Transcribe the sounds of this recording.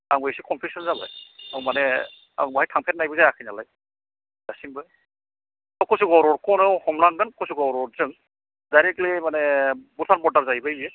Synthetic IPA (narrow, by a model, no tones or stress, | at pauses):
aŋbajsikʰɔmpʰisɔnzabɯ̰jawmane | a̰ŋbaɦajtʰaŋpʰet̚najbɯzajakʰɯjnalaj | dasimbɯ | awkɔsuɡɔɾɔɾkɔnɯɔwhɔmlaŋɡɯnkʰɔsuɡɔɾɔɾzɯŋ | dajɾeklimanebutʰanmɔdaɾzajbɯjbe